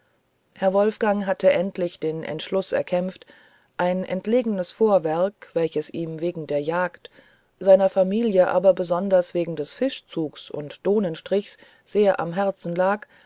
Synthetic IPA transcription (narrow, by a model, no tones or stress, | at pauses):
hɛɐvɔlfɡ̥aŋɦatʰəʔɛntlɪçd̥eːnʔɛ̰ntʃlʊsɛ̰ɐkʰɛmft | ʔaɪnɛ̰ntleːɡənəsfoːɐvɛɐkv̥ɛlçəsʔiːmveːɡŋ̩deːɐjaːkt | z̥aɪnɐfamiːljəʔa̰ːbɐbəzɔndɐsv̥eːɡŋ̩dɛsfɪʃt͡suːksʊ̰ntd̥oːnənʃtʁ̥ɪçs | z̥eːɐʔa̰mɦɛɐt͡sn̩laːk